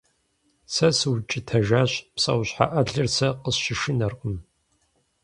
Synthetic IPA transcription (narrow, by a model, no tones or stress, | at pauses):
sɐsɨwt͡ʃʼɪtʰɐʒaːɕpsʼɐ̰wɕħa̰ʔɐɮɨrsɐqəsʃɪʃɪnɐrqʷʼʊm